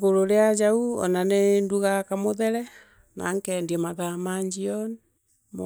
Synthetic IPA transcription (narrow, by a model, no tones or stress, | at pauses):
ɣoɾoɾead͡ʒauɔ̰nanenduɣakamoðɛɾɛ | na̰ŋkɛndiɛmaðamaɲd͡ʒiɔn | m